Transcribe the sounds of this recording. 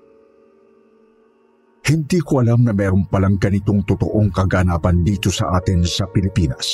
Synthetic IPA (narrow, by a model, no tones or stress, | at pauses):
hɪnd̪iːkoʔɐlamnɐmɛːɾʊŋpɐlaŋɡɐnɪt̪oŋt̪ʊt̪o̰ʔoŋkɐɡanaːpɐnd̪iːt̪osɐ̰ʔaːt̪ɪnsɐpɪlɪpiːnɐ̰s